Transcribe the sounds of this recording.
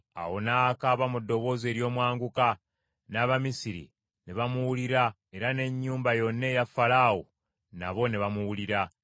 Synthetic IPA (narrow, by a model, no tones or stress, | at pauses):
a̰wo̞naːkaβamudːo̞βo̞ːze̞ːɾjo̞ːmwaːŋɡuka | naːβamisiɾḭ | neβamuwuliɾa | e̞ɾane̞ɲːuːmbajo̞nːe̞jafalawo̞̰ | na̰βo̞neβamuwuliɾa